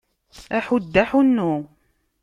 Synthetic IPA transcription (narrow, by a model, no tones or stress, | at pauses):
æħud̪ːaħunːu